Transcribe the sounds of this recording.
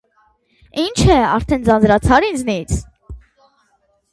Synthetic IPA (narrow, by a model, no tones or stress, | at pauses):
int͡ʃʰɛɑɾt̪ʰɛnd͡zɑnd͡zɾɑt͡sʰɑɾind͡znit͡sʰ